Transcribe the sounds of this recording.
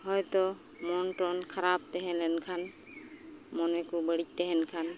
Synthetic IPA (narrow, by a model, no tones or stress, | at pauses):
ɦɔjt̪ɔ | mɔntɔnkʰaɾap̚t̪ɛɦɛlɛnkʰan | mɔnɛkubəɽic̚tɛɦɛnkʰan